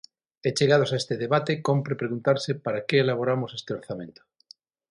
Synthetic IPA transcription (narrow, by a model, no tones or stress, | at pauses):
et͡ʃeɣað̞osaest̪eðeβat̪ekompɾepɾeɣunt̪aɾsepaɾakeːlaβoɾamosest̪eoɾθamẽnt̪o̥